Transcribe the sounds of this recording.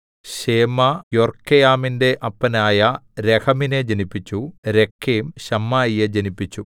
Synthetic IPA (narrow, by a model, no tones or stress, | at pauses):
ɕeːmɐjorkːejaːminde̞ʔɐpːɐnaːjɐɾekʰɐmine̞d͡ʑenipːit͡ɕːuɾe̞kʰːeːmɕɐmːaːjijed͡ʑenipːit͡ɕːu